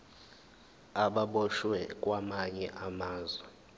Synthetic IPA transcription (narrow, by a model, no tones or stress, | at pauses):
aɓaɓɔʃwɛk̬ʼwamaɲɛʔamaːzwɛ